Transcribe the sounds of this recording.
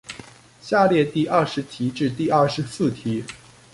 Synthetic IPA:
ɕja˥˧ljɛ˥˧t̪i˥˧ʔɐ˥˩ʂɻ̩˧˥t̪ʰi˧˥ʈ͡ʂɻ̩˥˧t̪i˥˧ɐ˥˩ʂɻ̩˧˥sɹ̩˥˩t̪ʰi˧˥

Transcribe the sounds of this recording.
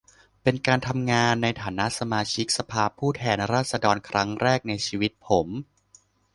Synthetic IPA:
pe˧nkaː˧nt̪ʰa˧mŋaː˧nːa˧jt̪ʰaː˩˦na˦˥sa˧maː˧t͡ɕʰi˦˥k̚sa˧pʰaː˧pʰuː˥˩t̪ʰɛː˧nɾaː˥˩t̪̚sa˧dɔː˧nkʰɾa˦˥ŋɾɛː˥˩k̚na˧jt͡ɕʰiː˧wi˦˥t̪̚pʰo˩˦m

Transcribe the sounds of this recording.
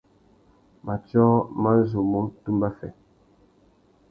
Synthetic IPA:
ma˨t͡ʃɔ˦ma˦zo˨mo˦tu˦mba˦fɛ̰˨

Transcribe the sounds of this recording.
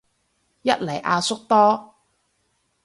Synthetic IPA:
jɐ˦˥t̚lɐ˨˩jʔaː˧sʊ˥k̚t̪ɔː˥

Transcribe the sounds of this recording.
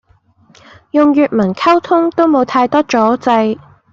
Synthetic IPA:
jʊ˨ŋjyː˨t̚mɐ˨˩nkʰɐ˥wt̪ʰʊ˥ŋt̪o˥wmo˨˧wt̪ʰaː˧jt̪ɔː˥t͡ʃɔː˨˥t͡sɐ˧j

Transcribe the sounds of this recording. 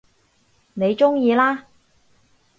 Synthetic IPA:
ne˨˧jt͡sʊ˥ŋjiː˧laː˥

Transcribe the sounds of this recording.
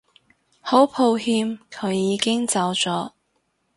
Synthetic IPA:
ho˨˥wpʰo˧whiː˧mkʰɵ˨˧ɥːiː˨˧kɪ˥ŋt͡sɐ˨˧wt͡sɔː˨˥

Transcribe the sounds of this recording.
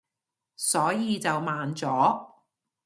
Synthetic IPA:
sɔː˨˥jiː˨˧t͡sɐ˨wmaː˨nt͡sɔː˨˥

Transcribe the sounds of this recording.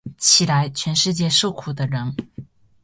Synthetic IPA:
t͡ɕʰi˨˩la˧˥ɪt͡ɕʰɥɛ˧˥nʂɻ̩˥˧t͡ɕjɛ˥˧ʂo˥˩ʊkʰu˨˩d̪ə˦ɻə˧˥n

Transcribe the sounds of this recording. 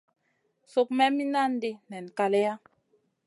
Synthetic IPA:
so˦kmɛ˦mi˦na˦n˦de˦nɛ˨n˨ka˨le˦ja˦

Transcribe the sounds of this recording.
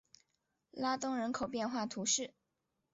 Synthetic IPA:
la˥t̪ʊ˥ŋɻə˧˥nkʰo˨˩ʊpjɛ˥˧nxwa˥˩t̪ʰu˧˥ʂɻ̩˥˩

